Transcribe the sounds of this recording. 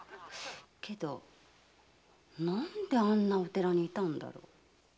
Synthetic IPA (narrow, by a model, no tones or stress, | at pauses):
ke̞d̪o̞ | nãnd̪e̞ãnːao̞t̪e̞ɾaɲ̟iːt̪ãnd̪a̰ɾo̞̰